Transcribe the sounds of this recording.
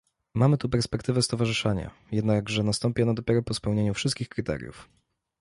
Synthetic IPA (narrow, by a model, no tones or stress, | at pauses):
mamɘt̪upɛɾspɛkt̪ɘvɛst̪ɔvaʐɘʂaɲa̰ | jɛd̪naɡʐɛnast̪ɔmpʲjɛnad̪ɔpʲjɛɾɔpɔspɛwɲeɲufʂɘst̪̚kʲixkɾɘt̪ɛ̰ɾʲjṵf